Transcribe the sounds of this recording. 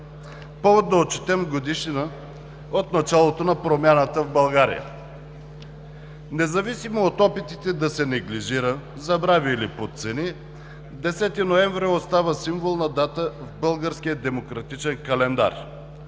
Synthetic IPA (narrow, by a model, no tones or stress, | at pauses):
pɔvot̪̚d̪ɐot͡ʃi̥t̪ɛmɡod̪iʃinə | ot̪nɐt͡ʃalˠot̪onɐpɾomʲjanət̪əvbɐlˠɡaɾḭjə̰ | nɛzɐvisimoːt̪ɔpit̪it̪ɛd̪ɐsɛnɛɡliʒiɾə | zɐbɾaviilipot̪t̪sɛni | d̪ɛsɛt̪inoɛɱvɾiost̪avəsimvolˠnɐd̪at̪əvbɤlˠɡəɾsk̟ijəd̪ɛmokɾɐt̪it͡ʃɛnkɐlɛnd̪a̰ɾ